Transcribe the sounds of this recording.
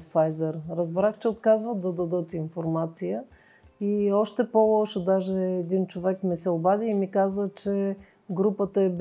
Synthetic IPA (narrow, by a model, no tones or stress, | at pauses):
fajzɛɾɾəzbɾaxt͡ʃɛot̪kazvət̪d̪ɐd̪ɐd̪ɤt̪infoɾmat̪sijə | iɔʃt̪ɛpolˠɔʃʊd̪aʒɛːd̪int͡ʃovɛkmɛsɛʊbad̪iːmikazvət͡ʃɛ | ɡɾupət̪əɛb